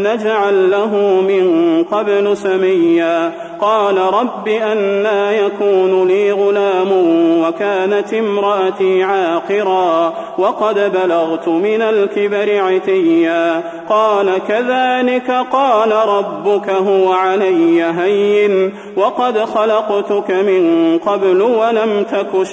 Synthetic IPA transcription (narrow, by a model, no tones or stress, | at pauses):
nad͡ʒaʕalːaɦʊːmɪnqɑblɪsamajːaː | qɑːlaɾˤɑbːiːʔanːaːjakuːnʊliːɣʊlaːmʊwakaːnat̪ʔɪmɾˤɑʔat̪iːʕaːqɨɾaː | wɑqɑd̪balaɣt̪ʊmɪnalkɪbaɾɪʕat̪ɪjːaː | qɑːlakaðaːlɪkaqɑːlaɾˤɑbːʊkaɦʊwaʕalajːaɦajːɪn | wɑqɑd̪xɑlɑqt̪ʊkamɪnqɑblwalamt̪akʊʃ